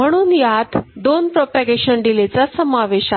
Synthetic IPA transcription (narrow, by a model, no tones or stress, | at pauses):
m̤əɽ̃uːnjat̪d̪onpɾopaɡeɕənɖilet͡sasəmaʋeɕa